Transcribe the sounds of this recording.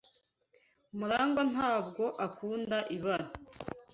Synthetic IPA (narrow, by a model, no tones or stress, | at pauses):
muɾaːŋɡonaːb̚ɡo̞ʔakuːndaʔiβana